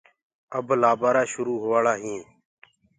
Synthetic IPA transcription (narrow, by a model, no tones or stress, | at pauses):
əblaːbaːɾaːʃʊɾuːɦoːʋaːɭaːɦĩː